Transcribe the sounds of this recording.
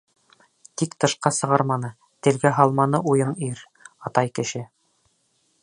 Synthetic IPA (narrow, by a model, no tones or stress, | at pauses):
t̪ikt̪ɤ̆ʃqɑsɤ̆ʁɑɾmɑnɤ | t̪ɘ̆lɡæɦɑlˠmɑnɤʔujɤniɾ | ɑt̪ɑjkɘ̆ʃɘ